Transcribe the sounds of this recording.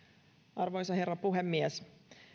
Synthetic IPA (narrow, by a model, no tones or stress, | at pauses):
ʔɑrʋo̞jsɑɦerːɑpuɦemːies